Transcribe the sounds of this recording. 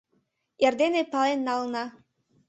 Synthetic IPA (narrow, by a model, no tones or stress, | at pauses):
jerd̪enepɑlenːɑlnɑ